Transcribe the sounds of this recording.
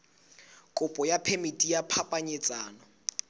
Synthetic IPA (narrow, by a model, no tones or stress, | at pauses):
kʼʊpʼɔjapʰemitʼijapʰapʼaɲet͡sʼaːnɔ